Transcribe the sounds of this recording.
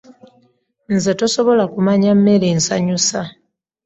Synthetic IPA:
nzetoso̞βo̞lakumaɲamːelensaɲusa

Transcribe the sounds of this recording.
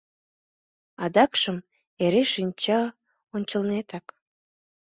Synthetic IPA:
ɑd̪ɑkʃəm | eɾeʃinʲt͡ɕɑ | onʲt͡ɕəlnet̪ɑk

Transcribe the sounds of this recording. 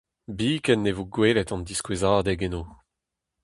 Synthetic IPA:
biːkɛnːevoɡweːlɛt̪ɑ̃nd̪iskwezaːd̪eɡenoː

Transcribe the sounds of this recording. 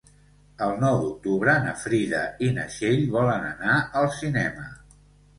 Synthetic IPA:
əlˠnɔwd̪uk̚t̪uβɾəːnəfɾiðəinəʃeʎβɔlənə̰naəlˠsinɛmə

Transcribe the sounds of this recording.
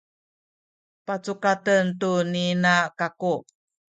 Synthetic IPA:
pat͡sukatəntuninakaku

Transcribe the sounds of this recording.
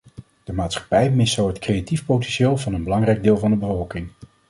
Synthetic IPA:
d̥əmaːtsχɑ̥pɛjmɪsowɦətkrejatifpowtɛnʃeːlˠvɑnənbəlɑŋrɛjɡ̚dɪːlˠvɑndəbəvɔlˠkɪŋ

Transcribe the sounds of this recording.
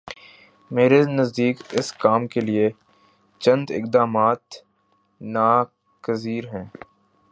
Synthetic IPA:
meːɾenɐzd̪iːkɪskaːmkelie | t͡ʃɐ̃nd̪ɪ̰kd̪aːmaːt̪ | naː | kəziːɾɦɛ̃ː

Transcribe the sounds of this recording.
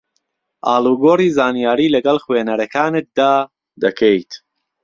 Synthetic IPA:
ʔaːlˠuːɡoːriːzaːnijaːɾiːlɐɡɐlˠχweːnɐɾɐkʰaːnɨt̪̚d̪aː | d̪ɐkʰejt̪

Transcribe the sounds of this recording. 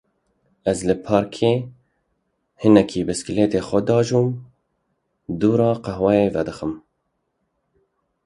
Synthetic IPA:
ɛzlɨpʰɑːɾkʰeː | hɨnɛkʰiːbɨskleːt̪eːxʷɛd̪ɑːʒuːm | d̪uːɾɑːqɑɦwɛjeːvɛd̪ɨxəm

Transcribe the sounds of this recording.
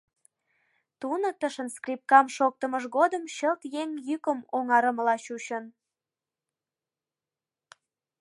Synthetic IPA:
t̪unət̪əʃənskrip̚kɑmʃok̚t̪əməʒɣod̪əmɕəlt̪jeŋjykəmoŋɑɾəməlɑɕuɕən

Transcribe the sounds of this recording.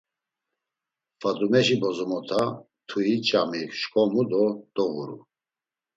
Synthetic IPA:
fad̪umɛʃibɔzɔmɔt̪ʰa | t̪ʰuit͡ʃʼamikʃkʼɔmud̪ɔd̪̥ɔɣuɾṵ

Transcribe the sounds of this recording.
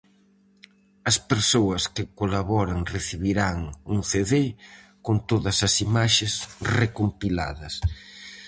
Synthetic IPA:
ɐspeɾsoɐskɪkolaβɔɾɐŋreθiβiɾaŋuŋθeðekont̪oðɐsɐsimaʃesrekompila̰ðɐs

